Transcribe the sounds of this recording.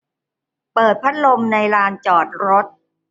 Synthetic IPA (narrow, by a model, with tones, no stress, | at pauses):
pɤː˨˩t̪̚pʰa˦˥t̪̚lo˧mna˧jɾaː˧nt͡ɕɔː˨˩t̪̚ɾo˦˥t̪̚